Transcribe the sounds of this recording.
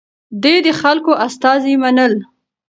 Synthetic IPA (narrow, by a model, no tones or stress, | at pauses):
d̪ejd̪əxalkoʔast̪ɑzimanəl